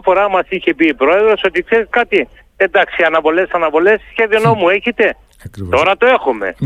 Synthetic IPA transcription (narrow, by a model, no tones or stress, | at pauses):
fo̞ɾɐmɐsiçe̞piːpɾoe̞ðɾo̞so̞t̪ikseɾiskat̪i | ed̪ɐksiɐnɐvo̞lesɐnɐvo̞lessçeðio̞nomue̞çet̪e̞ | t̪o̞ɾɐt̪oe̞xume̞̰